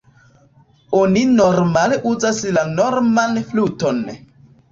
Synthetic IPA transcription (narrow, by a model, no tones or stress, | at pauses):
oninoɾmale̞ʔuzaslanoɾmanfluto̞n